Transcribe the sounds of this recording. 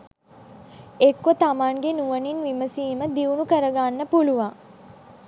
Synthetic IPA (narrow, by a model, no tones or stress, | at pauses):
ekːət̪amaːŋɡenuʋəninʋiməsiːməd̪iunukəɾəɡanːəpuluʋa